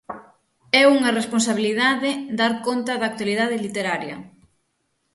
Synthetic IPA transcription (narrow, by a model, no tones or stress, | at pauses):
ɛuŋɐresponsaβiliðaðɪd̪aɾkont̪ɐðaːk̚t̪waliðaðɪlit̪eɾaɾjɐ̰